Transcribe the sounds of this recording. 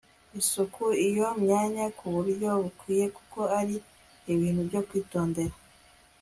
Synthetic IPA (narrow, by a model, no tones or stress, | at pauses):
isukʰuijo̞mɲaːɲakuβuɾjo̞βukwiːje̞ku̥ko̞aɾi | iβiːn̥ubɟo̞kwiːto̞ːnde̞ɾa